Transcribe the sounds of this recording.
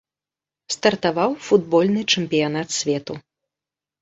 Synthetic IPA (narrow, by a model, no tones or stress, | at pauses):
st̪ɐrt̪avawfud̪̚bɔlʲnɨt͡ʂɛmpʲijan̪at̪sʲvʲɛt̪u